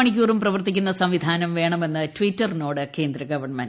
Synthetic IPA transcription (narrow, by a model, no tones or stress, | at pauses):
ɐɳik̬ʲːuːrumprɐʋɐrt̪ikʲːunːɐsɐmʋid̪ʱaːnɐmʋe̞ːɳɐme̞nːɨtʋitːɐrnoːɽɨke̞ːnd̪ɾɐɡɐʋɐrɳmɐn